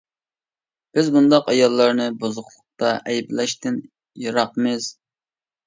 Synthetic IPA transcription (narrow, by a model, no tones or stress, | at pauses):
b̥ɪzbund̪ɑqɑjɑlˠːɑɾnɨbozʊχlˠʊq̚t̪ɑʔɛjblɛʃt̪ɪn | jɑɾɑqmɪz̥